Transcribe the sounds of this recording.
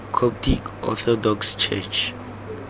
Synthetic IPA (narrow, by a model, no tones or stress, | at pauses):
kʰɔp̚tʰikɔ̰t̪ʰɔdɔkst͡ʃʰɛ̰t͡ʃ